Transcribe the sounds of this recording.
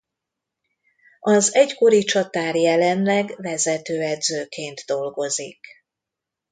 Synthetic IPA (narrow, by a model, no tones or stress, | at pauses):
ɒzɛɟko̞ɾit͡ʃɒt̪aːrjɛlɛnlɛɡvɛzɛt̪øːɛd̪zøːkeːnd̪d̪o̞lɡo̞zik